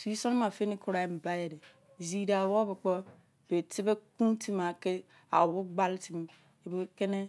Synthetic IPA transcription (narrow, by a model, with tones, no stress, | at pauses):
su˨i˦so˦n˦ma˨fe˦ni˦kʰu˦ɾa˨e˨m̩˨ba˦je˨de˨ | zi˨da˨wo˦bi˨k͡pɔ˦ | be˨ti˦be˦kũ˦ti˦ma˨ke˦ | a̰˨wu˦ɡ͡ba˦lti˦m˦ | e˨be˨˦ke˦ne˦